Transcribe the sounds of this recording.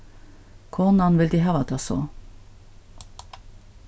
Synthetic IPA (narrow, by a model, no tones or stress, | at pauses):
kʰɔnɑnʋɪld̪iːɦɑːʋɑt̪ɑsɔ̰